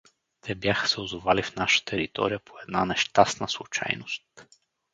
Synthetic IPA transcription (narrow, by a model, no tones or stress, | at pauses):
t̪ʰɛbjaxə̥sɛʊzovalifnaʃə̥t̪əɛɾit̪ɔ̰ɾijəpʰoɛd̪nanɛʃt̪asnəslˠut͡ʃa̰jnost̪